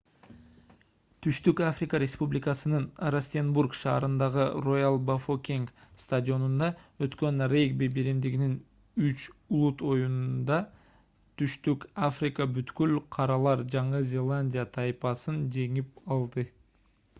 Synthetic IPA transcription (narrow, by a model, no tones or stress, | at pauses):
t̪ʰyʃt̪ykafrʲɪkəɾʲespublʲɪkɑsɯnɯnɾasʲt̪ʲenburkʃɑ̰ːɾɯnd̪ɑʁɯro̞jalˠbafokʲiŋkst̪adʲio̞nund̪ɑø̞t̪kø̞nrejɡbebeɾimd̪iɡinin | yt͡ʃulˠut̪o̞junnd̪ɑ | t̪ʰyʃt̪ykafrʲɪkəbyt̪kylqʰɑɾɑlˠɑɾd͡ʒɑɴɯzʲe̞lˠanʲdʲijat̪ʰɑjpɑsɯnd͡ʒe̞ŋipɑlˠd̪ɯ